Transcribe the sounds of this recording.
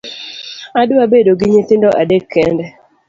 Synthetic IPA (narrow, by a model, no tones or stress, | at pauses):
adʊabedoɡɪɲet̪ɪndɔʔadekʰːɛndɛ